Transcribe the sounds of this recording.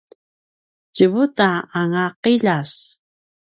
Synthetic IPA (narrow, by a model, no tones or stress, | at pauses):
cəβutaːŋaqiʎas